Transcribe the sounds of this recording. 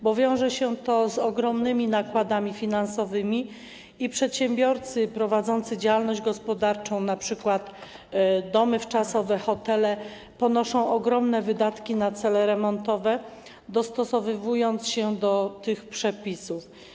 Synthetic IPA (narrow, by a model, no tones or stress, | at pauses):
bɔvʲjɔ̃w̃ʐɛɕɛt̪ɔzɔɡɾɔmnɘmʲinakwad̪amʲifʲinansɔvɘmʲi | ipʂɛt̪ɕɛmbʲjɔɾt̪sɘpɾɔvad̪zɔnt̪sɘd͡ʑawalnɔʑd͡ʑɡɔspɔd̪aɾt͡ʂɔ̃w̃napʂɘkwat̪ | d̪ɔmɘft͡ʂasɔvɛxɔt̪ɛlɛ | pɔnɔʂɔ̃w̃ʔɔɡɾɔmnɛvɘd̪at̪kʲinat̪sɛlɛɾɛmɔnt̪ɔvɛ | d̪ɔst̪ɔsɔvɘvujɔnt̪sɕɛd̪ɔt̪ɘxpʂɛpʲisuf